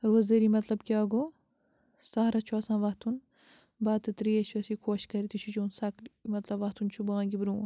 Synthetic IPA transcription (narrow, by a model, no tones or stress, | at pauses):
ɾoːzd̪ɐɾimɐt̪lɐbkʲiaːɡo | sɐɦɾɐt͡ʃʰuɐsãːnʋɐɦt̪un | baːt̪ɨt̪ɾiɐʃʋɐsikʰoːʃkɐɾit̪it͡ʃʰut͡ʃoːnsɐkmɐt̪lɐbʋɐht̪unt͡ʃʰubɐãːŋɡibɾu